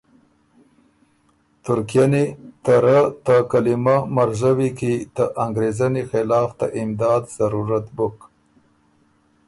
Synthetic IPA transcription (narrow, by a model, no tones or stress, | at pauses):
t̪ʊɾkijanet̪aɾat̪əkalimamaɾzawikit̪əʔaŋɡɾezanexɪlɑːft̪a̰ʔɪmd̪ɑːd̪z̥aɾuɾat̪bʊk